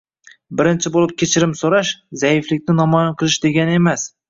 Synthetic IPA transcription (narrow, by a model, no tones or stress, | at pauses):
bɪɾɪnt͡ʃʰɪbolˠɪp̚kʲʰe̞t͡ʃʰɪɾɪmsoɾaʃzajɪflɪk̚ʲnɪnɒmɒjanqʰɨlˠɪʃd̪e̞ɡʲanɪe̞mas